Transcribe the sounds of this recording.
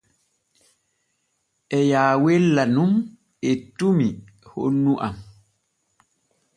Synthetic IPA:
ʔɛjaːwɛlːanum | ɛtumi | ho̰nːuʔam

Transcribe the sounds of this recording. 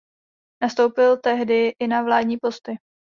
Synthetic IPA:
nast̪o̞wpɪlt̪ɛɦdɪʔɪnavlaːdɲiːpo̞st̪ɪ

